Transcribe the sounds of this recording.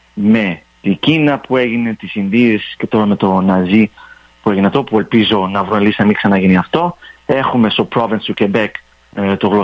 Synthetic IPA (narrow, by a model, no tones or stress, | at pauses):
me̞ | t̪iɟinɐpue̞ʝine̞t̪isinðie̞sce̞t̪o̞ɾɐme̞t̪o̞nɐzi | pue̞ʝinɐft̪opue̞lpizo̞nɐvɾonelisnɐmiksɐnɐʝiniɐft̪o̞e̞xume̞st̪o̞pɾo̞vinst̪ucebek | t̪oɣlo